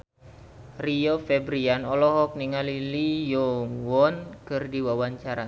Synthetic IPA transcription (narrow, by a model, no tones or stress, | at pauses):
riofɛbɾianɔlɔɦɔk̚niŋalilijɔŋwɔnkɨrdiwawaɲt͡ʃaɾa